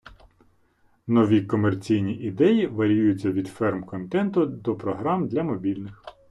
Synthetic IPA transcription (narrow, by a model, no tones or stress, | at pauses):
nɔʋʲikɔmert͡sʲijnʲiʔid̪ɛjiʋɐɾʲijujʊt͡sʲːɐʋʲid̪fɛrmkɔnt̪ɛnt̪ʊd̪ɔpɾɔɦɾɑmd̪lʲɐmɔbʲilʲnɪx